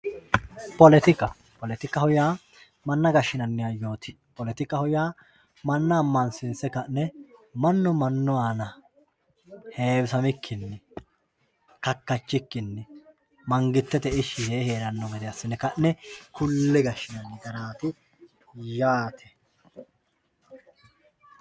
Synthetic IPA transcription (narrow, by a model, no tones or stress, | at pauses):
pɔlɛt̪ɪkːɐ | pɔlɛt̪ɪkːɐhɔjaː | mɐnːɐɡɐʃːɪnɐnːɪjajo̞ːt̪ɪ̥ | pɔlɛt̪ɪkːɐhɔjaː | mɐnːɐːmːɐnsɪnsɛkɐnːɛmɐnːɔmɐnːʊaːnɐ | heːbsɐmɪkʰːɪnːɛ | kɐkːɐt͡ʃːɪkːɪnːɛ | mɐŋɡɪt̪ːɛt̪ɛɪʃːɪheːheːɾɐnːɔɡɛd̪ɛɐsːɪnːɛkɐnːɛkʊlːɛɡɐʃːɪnɐnːɪɡ̪ɐɾaːt̪ɪ | jaːt̪ʰɛ